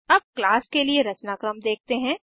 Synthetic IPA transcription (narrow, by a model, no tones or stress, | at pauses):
ɐb̚klaːskelieɾɐt͡ʃnaːkɾəmd̪eːk̚ʰt̪eɦɛ̃ː